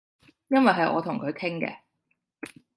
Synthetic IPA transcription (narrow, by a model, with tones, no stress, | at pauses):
jɐ˥nwɐ˨jɦɐ˨jʔɔ̰ː˨˧t̪ʰʊ˨˩ŋkʰɵ˨˧ɥk̪ʰɪ˥ŋkɛ̰˧